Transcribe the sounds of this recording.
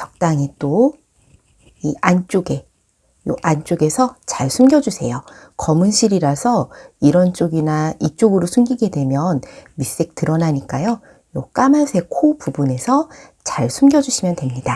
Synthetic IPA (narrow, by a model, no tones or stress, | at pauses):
t͡ɕʌk̚t͈aŋit͈o | iant͡ɕ͈oɡe̞ | jo̰ʔant͡ɕ͈oɡe̞sʰʌt͡ɕaɭsʰumɡjʌd͡ʑusʰe̞̰jokʌmunɕʰiɾiɾasʰʌiɾʌnt͡ɕ͈oɡinait͡ɕ͈oɡɯɾosʰunɡiɡe̞dwe̞mjʌnmis͈ek̚tɯɾʌnaɲik͈ajo | jok͈amasʰe̞kʰopubune̞sʰʌt͡ɕaɭsʰumɡjʌd͡ʑuɕʰimjʌndwe̞mɲida